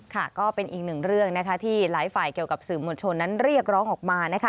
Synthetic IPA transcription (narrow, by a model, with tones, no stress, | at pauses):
kʰa˥˩kɔː˥˩pe˧nʔiː˨˩k̚nɯ˨˩ŋɾɯ˥˩əŋna˦˥kʰa˦˥t̪ʰiː˥˩laː˩˦jfaː˨˩jki˨˩əwka˨˩p̚sɯː˨˩mːoː˧nt͡ɕʰo˧nːa˦˥nɾi˥˩ək̚ɾɔː˦˥ŋʔɔː˨˩k̚maː˧na˦˥kʰa˦˥